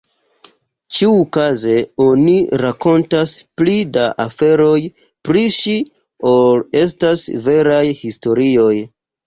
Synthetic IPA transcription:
t͡ʃiukaze̞o̞niɾako̞ntasplidaʔafe̞ɾo̞j | pɾiʃi | o̞le̞s̬tasve̞ɾajhisto̞ɾio̞j

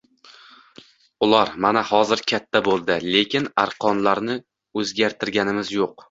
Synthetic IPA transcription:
ʊlˠaɾmanahɒzɪɾkʲʰat̪ʰːabolˠd̪ɪle̞kʲɪnaɾqʰɒnlaɾnɪ | ɵzɡʲaɾt̪ʰɪɾɡʲanɪmɪzjoq

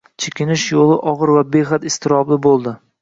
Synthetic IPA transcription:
t͡ʃʰekʲɪnɪʃjolˠɪʔɒʁɨɾvabeχat̪ɪst̪ʰɪɾɒblɪbolˠd̪ɪ

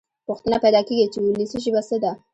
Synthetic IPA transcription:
pʊxt̪ənapajd̪ɑkeɡit͡ʃewulisəʒəbasəd̪a

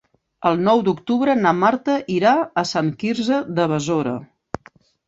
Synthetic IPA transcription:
əlˠnɔwd̪ukt̪uβɾənamaɾt̪əʔiɾaəsaŋkiɾzəðəβəzoɾə̰

